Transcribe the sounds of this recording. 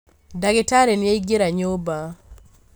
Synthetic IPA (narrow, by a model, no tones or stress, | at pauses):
daɡɪtaɾenjeiɡeɾaɲoba